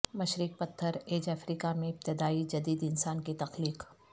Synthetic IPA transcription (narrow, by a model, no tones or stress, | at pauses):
mɐʃɾɪk̚pɐt̪ʰːəɾeːd͡ʒaːfɾiːkamẽɪp̚t̪ɪd̪aːid͡ʒɐd̪iːd̪ɪnsaːnkit̪ɐxliːq